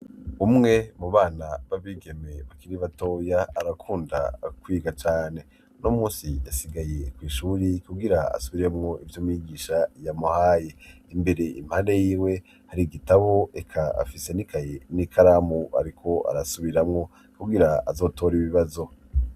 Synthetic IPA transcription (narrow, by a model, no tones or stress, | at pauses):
umŋe̞muβaːnaβaβiːɡe̞me̞βakiɾiβato̞ːjaːɾakʰuːnda̰kwiːɡat͡ʃaːne̞ | nomũːsijasiɡaje̞kwiːʃuɾikuɡiɾaa̰suβiɾemŋo̞ʔivjomujiɡiːʃajamuhaːje̞imbe̞ɾe̞ḭm̥halejiːwe̞ | haɾiɡitaβo̞ekʰaa̰fise̞nikʰajenikʰaɾamua̰ɾikʰo̞a̰ɾasuβiɾamŋo̞ | kuɡiɾaazo̞ːto̞ːɾiβiβazo̞